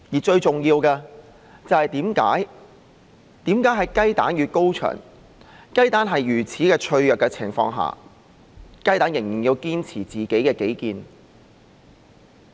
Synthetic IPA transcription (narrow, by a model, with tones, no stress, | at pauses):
jiː˨˩t͡ʃɵ˧ɥt͡sʊ˨ŋjiː˧wkɛː˧ | t͡sɐ˨whɐ˨jt̪iː˨˥mka̰ː˨˥j | t̪iː˨˥mkaː˨˥jɦɐ˨jkɐ˥jt̪a̰ː˨˥njyː˨t̚ko˥wt͡ʃʰœ̰ː˨˩ŋ | kɐ˥jt̪aː˨˥nɦɐ˨jɥyː˨˩t͡sʰiː˨˥kɛː˧t͡ʃʰɵ˧ɥjœː˨kːɛ˧t͡sʰɪ̰˨˩ŋfɔ̰ː˧ŋɦa̰ː˨˩ | kɐ˥jt̪aː˨˥njɪ˨˩ŋjiː˨˩njiː˧wkiː˥nt͡sʰiː˨˩t͡siː˨˩ke˨˥jkɛː˧ke˨˥jkiː˨˧n